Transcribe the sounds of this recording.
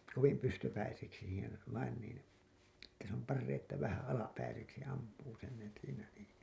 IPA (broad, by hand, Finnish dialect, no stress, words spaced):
koʋim pystøpæiseksi siːhen ʋɑin nin etːæ se om pɑrːeĩː etːæ ʋæhæ ɑlɑpæiseksi ɑmpuː sen siːnæ niː